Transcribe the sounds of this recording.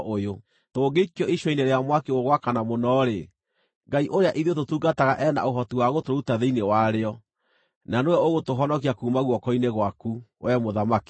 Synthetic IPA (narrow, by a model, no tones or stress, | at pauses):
ʔojo | toːɡekjɔiʃwɔineɾeamwakeɣoɣwakanamonɔɾe | ŋɡaiʔoɾeaʔiðototuːɡataɣaʔɛna̰oɦɔtiwaɣotoɾutaðeinewaɾeɔ | nanowɛoɣotoɦɔnɔkiakuːmaɣwɔkɔineɣwakuwʔɛmoðamaki̥